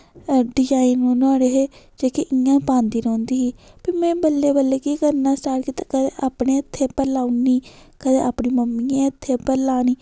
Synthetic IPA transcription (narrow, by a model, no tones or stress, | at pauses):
ɖɪd͡ʒaːinũnaːɽeːɦeː | d͡ʒeːkeʔɪjãːpãːnd̪iːɾõːnd̪iːɦiːpiːmɛ̃ːbəlːeːbəlːeːkiːkəɾnaːsʈaːɾkiːt̪akəd̪eʔaːpneːɪt̪ʰːeːpəlaːuniːkəd̪eːaːpniːməmːiːãːɪt̪ʰːeːpəɾlaːniː